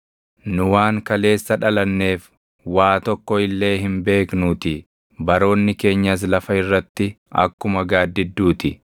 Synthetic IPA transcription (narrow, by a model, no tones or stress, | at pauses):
nʊwaːŋkɐle̞ːsːɐᶑɐlɐnːe̞ːf | waːt̪ɔkːɔɪlːe̞ːɦɪmbe̞ːknuːt̪ɪ | bɐɾo̞ːnːɪke̞ːɲːɐs̬lɐfɐɪrːɐt̪ːɪ | ɐ̰kːʊmɐɡaːd̪ːɪd̪ːuːt̪ɪ